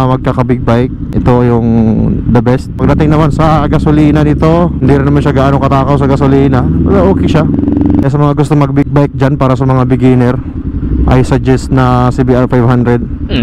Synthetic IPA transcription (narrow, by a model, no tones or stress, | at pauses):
mɐɡ̚kakɐbɪɡ̚bajk̚ʔɛt̪o̞jʊŋd̪ɐbɛst̪̚pɐɡ̚d̪ɐt̪ɪŋnɐmansɐɡɐsoliːnɐnɪt̪o̞hɪnd̪iɾɪnɐmanʃaɡaʔano̞ŋkɐt̪aːkɐws̬ɐɡɐsoliːnɐpɐɡaʔoːkɛʃakɐjas̬ɐmɐŋaɡʊst̪o̞ŋmɐɡ̚bɪɡ̚bajk̚d͡ʒanpaːɾɐsɐmɐŋabɪɡiːnɛɾ | ʔɐ̰jsɐd͡ʒɛst̪̚nɐsibiʔaɹfajvhand̪ɾɛd̪̚